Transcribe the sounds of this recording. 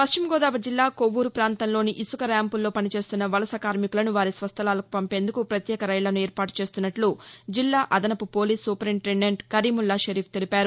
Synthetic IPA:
pɐst͡ʃimɡɔːd̪aːʋɐd͡ʒilːaːkoʋːuɾupɾaːnt̪ɐnlo̞ːniʔisukɐɾjaːmpulːo̞ːpɐnit͡ʃe̞ːst̪unːɐʋɐlɐsɐkaːɾmikulɐnuʋaːɾisʋɐst̪ʰɐlaːlɐku̥pɐmpe̞ːnd̪ukupɾɐt̪jɛːkɐɾɐjlɐnuɛːɾpaːʈu̥t͡ʃe̞ːst̪unːɐʈlud͡ʒilːaːʔɐd̪ɐnɐpupo̞ːliːsːupɾiːmʈenːeɳʈkɐɾimulːaʃɐɾiːpʰt̪e̞lipaːɾu

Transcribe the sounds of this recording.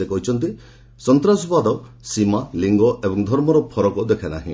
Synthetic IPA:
ekɔɦut͡ʃʰɔnt̪i | sɔnt̪ɾasɔbad̪ɔ | simaliŋɡɔʔebɔŋd̪ʱɔɾmɔɾɔpʰɔɾɔkɔd̪ekʰanaɦḭ̃

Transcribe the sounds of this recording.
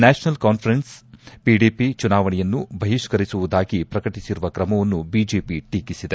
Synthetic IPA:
naːʃnɐlkaːnpʰɐɾenspiɖiːpit͡ʃunaːʋɐɳɛjɐnːubʱɐɦiʃkɐɾisuʋud̪aːɡipɾɐkɐʈisiɾuʋɐkɾɐmɐʋɐnːubid͡ʒeːpiʈiːkisid̪e

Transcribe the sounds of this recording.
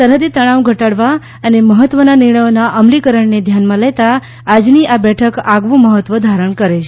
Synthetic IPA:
səɾɦəd̪it̪əɽ̃ãʋɡʱəʈaɽʋa | əneməɦət̪ʋənanɪɾɳəjonaʔəmlikəɾəɳned̪ʱjanmãlet̪aː | d͡ʒniʔabɛʈʰəkaɡʋũməɦət̪ʋəd̪ʱaɾəɳkəɾet͡ʃʰe

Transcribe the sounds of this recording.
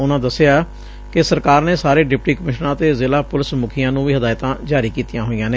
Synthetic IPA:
ʊnãːd̪əsːɪaː | kɪsəɾkaːɾneːsaːɾeːɖɪp̚ʈiːkəmɪʃnãːt̪eːzɪːlaːpʊlɪsmʊkʰɪjãːnũːʋiːɦəd̪aːɪt̪ãːd͡ʒaːɾiːkiːt̪ijãːɦoːijãːneː

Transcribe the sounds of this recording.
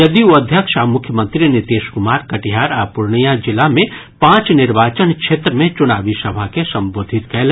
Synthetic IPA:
jɐd̪ioɐd̪ʱjəkʃamʊkʰjəmə̃nt̪ɾinɪt̪eːʃkʊmaːɾkɐʈiɦaːɾaːpʊɾɳijad͡ʒɪlamẽ | pãːt͡ʃnɪɾʋaːt͡ʃənkʃeːt̪ɾəmẽt͡ʃʊnaːʋisɐbʱakesɐ̃mboːd̪ʱɪt̪kɛɦl

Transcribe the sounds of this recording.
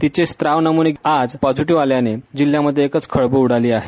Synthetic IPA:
t̪it͡ɕest̪ɾaʋnəmuɽead͡zpəd͡zuʈiʋaljaned͡ʑil̤jaməd̪ʱːjeːkət͡skʰəɭbuuɽaliːaɦe

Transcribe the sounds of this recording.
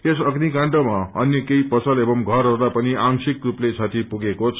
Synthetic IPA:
esʌɡnikãɳʈʌmaʌnjʌkejpʌsʌlebʌmɡʱʌrɦʌrd̪apʌniʔaŋsikruplet͡sʰat̪ʰipuɡekot͡sʰ

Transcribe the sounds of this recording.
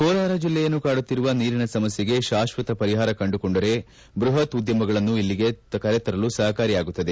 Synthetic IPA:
kɔːlaːɾɐd͡ʒilːɛjɐnːukaːɽut̪ːiɾuʋɐniːɾinɐsɐmɐsjeɡe̞ʃaːʃʋɐt̪ɐpɐɾiɦaːɾɐkɐɳɖukoɳɖɐɾe̞ | bɾuɦɐt̪ud̪jɐmɐɡɐɭɐnːuilːiɡekɐɾet̪ɐɾɐlusɐɦɐkaːɾijaːɡut̪ːɐd̪e̞

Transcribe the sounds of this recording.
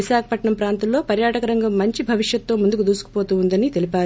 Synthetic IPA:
iʃaːkʰɐ̥pɐʈɳɐmpɾaːnt̪ɐllo̞ːpɐɾjaːʈɐkɐɾɐŋɡɐmːɐɲt͡ʃibʱɐʋiʂjɐt̪ːo̞ːmund̪ukud̪uːsu̥kupoːt̪uːund̪ɐnit̪e̞lipaːɾu

